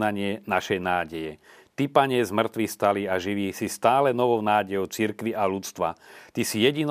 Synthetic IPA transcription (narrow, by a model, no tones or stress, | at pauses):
naɲɪɛnaʃɛjnaːɟɛjɛ | t̪ipaɲɪɛzmr̩t̪ʋixst̪aliːaʒiʋiːsist̪aːlɛnɔʋɔʊnaːɟɛjɔʊt͡siɾkʋiʔalut͡st̪ʋa̰t̪isijɛɟin